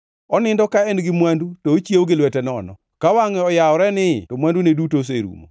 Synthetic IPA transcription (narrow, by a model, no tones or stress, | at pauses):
ɔnɪndɔkaenɡɪmwandutoːt͡ʃjewɡɪlwɛtɛnɔ̰nɔ̰ | kawaŋɛɔjaɔɾɛnɪtomwandunedutos̬eɾṵmo̰